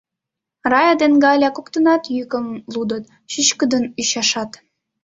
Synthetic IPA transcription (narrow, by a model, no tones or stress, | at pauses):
rɑjɑd̪enɡɑlʲɑkokt̪ənɑt̪jykə̆mlud̪ət̪ | ɕyt͡ɕkəd̪ənyɕɑʃɑt̪